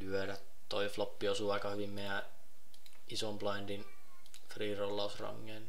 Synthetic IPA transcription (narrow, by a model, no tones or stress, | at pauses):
lyøɾæt | t̪oiflopːiosuːɑikɑhyʋimmeiæ | isomplɑind̪in | friːrolːɑusrɑ̰ŋːeːn